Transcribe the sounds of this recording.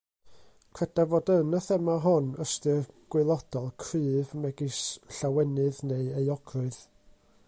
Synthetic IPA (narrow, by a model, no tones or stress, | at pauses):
kʰrɛd̥avodənəθɛmaɦɔnəstɨrɡ̥wɪlˠɔd̥ɔlˠkʰrɨːvmɛɡisɬawɛnɨðneɨejɔɡrʊɨð